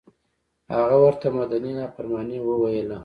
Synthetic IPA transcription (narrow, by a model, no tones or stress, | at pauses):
haɣawəɾt̪amad̪aninɑpaɾmɑnewəwajəla